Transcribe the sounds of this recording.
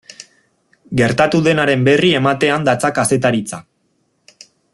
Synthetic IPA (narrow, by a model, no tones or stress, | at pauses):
ɡe̞ɾt̪at̪uðe̞naɾe̞mbe̞rie̞mat̪e̞and̪at͡sakase̞t̪̬aɾit͡sa̰